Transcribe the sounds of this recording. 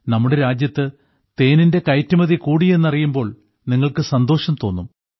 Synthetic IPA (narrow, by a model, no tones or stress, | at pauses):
nɐmːuɽe̞ɾaːd͡ʑjɐt̪ːɨ | t̪e̞ːninde̞kɐjtːɐmɐðikuːɽije̞nːɐrijumbo̞ːɭ | niŋːɐɭkɨsɐnd̪o̞ːʂɐmt̪o̞ːnːum